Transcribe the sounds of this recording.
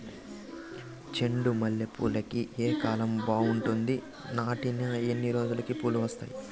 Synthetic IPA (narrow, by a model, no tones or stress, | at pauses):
t͡ʃe̞ɳɖumɐljɐpṵːlːɐkiʔeːkaːlɐmbaːuɳʈund̪i | naːʈinɐenːiɾo̞ːd͡ʒulɐkipuːluʋɐst̪a̰ːji